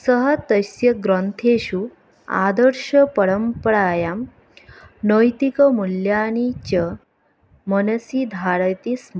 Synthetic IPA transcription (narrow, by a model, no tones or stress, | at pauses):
səɦət̪əsjəɡɾənt̪ʰeɕu | a̰d̪əɾʂəpəɾəmpəɽajam | nəjt̪ikəmuljanit͡ɕə | mənəsid̪ʱaɾət̪ism